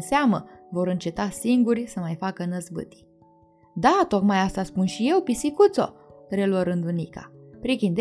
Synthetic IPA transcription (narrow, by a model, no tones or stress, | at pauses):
seaməvo̞ɾɨnt͡ʃe̞t̪asiŋɡurʲsəmajfakənəzbɨ̰t̪i̥ | d̪at̪o̞kmajast̪aspunʃije̞wpisikut̪so̞̰ɾeluəɾɨnd̪unika̰pɾikʲind̪